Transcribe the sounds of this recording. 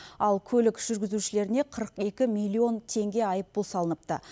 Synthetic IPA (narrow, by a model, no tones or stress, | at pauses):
ɑlˠkʲʰɵlɪkʒ̥ʏɾɡʲɪzuʃɪle̞ɾɪne̞qʰəɾəqe̞kʲɪmijlʲˠːio̞nt̪ʰe̞ŋɡʲe̞ɑjəp̚bolˠsɑlˠənəp̚t̪ə̰